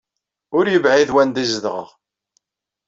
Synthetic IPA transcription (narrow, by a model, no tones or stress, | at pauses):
ʊɾjəvʕiðwænd̪izəðʁə̰ʁ